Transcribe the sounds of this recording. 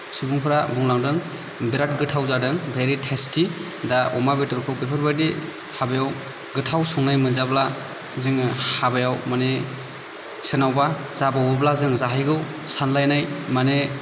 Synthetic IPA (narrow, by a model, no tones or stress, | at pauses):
subuŋpʰɯɾabuŋlaŋdɯŋ | biɾat̚ɡɯtʰawzadɯŋbʱeɾitʰesti | daɔmabetɯɾpʰɯbepʰɯɾbajdi | habajaw | ɡɯtʰawsɔŋnajmɯnzabla | zɯŋhabɯjawmane | sɯnawba | zabawɯblazɯŋzaɦijɡɯw | sanlajnajmane